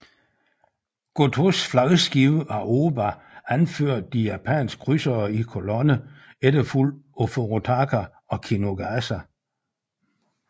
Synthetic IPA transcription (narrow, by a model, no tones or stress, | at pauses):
ɡ̥ot͡sʰosflɑ̈əsɡ̥iʊəæʔo̝ːbɑ | ænføɐ̰d̥̚ːijæpʰæ̰nsɡ̥̚kʰʁysɐːikʰo̝lɔnəeɾəfulofoʁot͡sʰɑkʰæ | ɒ̽kʰino̝ɡ̥æsæ